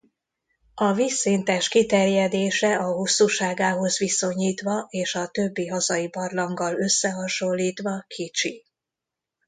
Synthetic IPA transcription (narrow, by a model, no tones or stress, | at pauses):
ɒvisːiːnt̪ɛʃkit̪ɛrjɛd̪eːʃɛɒɦusːuʃaːɡaːɦo̞zʋiso̞ɲiːt̪ʋɒʔeːʃɒt̪ø̞bːiɦɒzɒibɒrlɒŋɡɒlø̞sːɛɦɒʃo̞lːiːt̪ʋɒkʰit͡ʃi